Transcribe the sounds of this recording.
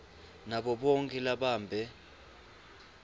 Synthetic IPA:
naɓɔɓɔŋkʼɛlaɓaːmbʱɛ

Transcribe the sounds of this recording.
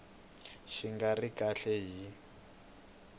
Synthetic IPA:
ʃiŋɡarikʼaɬɛɦi

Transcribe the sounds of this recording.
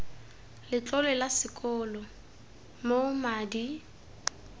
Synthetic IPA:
lɪt͡ɬʼɔlɛlasɪkʼɔlɔ | momaːdi

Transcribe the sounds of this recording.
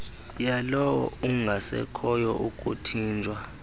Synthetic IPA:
jalɔwɔ̰uŋɡʱasɛ̰kʰɔjɔʔukʼutʰiːnd͡ʒʱʼwa

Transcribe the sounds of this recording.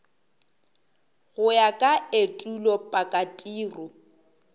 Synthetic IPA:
ɣʊjakʼaetʼulɔpʼakʼatʼiːrʊ

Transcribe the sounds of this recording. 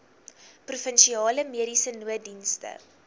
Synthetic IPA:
prufənʃiɑːləmiəɾisənuədinstə̰

